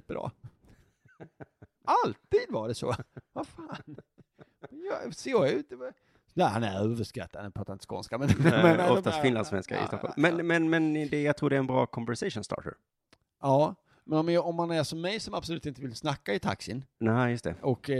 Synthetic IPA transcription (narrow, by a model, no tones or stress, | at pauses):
pːɾɑ̰ː | alt̪iːd̪vaɖɛsɔ̰vafaːn | mɛjɑ̰seːʉ̟ːt̪̚d̪ɛ | næhanæɾøːvəʂkɾɛ̰t̪ːad̪pʰɾɔt̪ʰːanɪskɔ̰nskamɛnmɛnɔast̪fɪnlansfvɛ̰nska̰ɪ̰st̪ɔɔ̰lmɛnmɛnmɛnd̪ɛjaɡt̪ʰɾuːɖɛɾɛnbɾɑ̰ːkʰɔmvæɾʂɛʂʊnst̪ɑ̰ːʈə̰ɾ | ɑː | mɛnɔmɔmhanæʂɔmːɛjsɔmab̥slʉ̟ːt̪ɪnt̪əvɪlsnakːaɪt̪ʰa̰ksɪnnɛjɵst̪ʰɛʔɔkː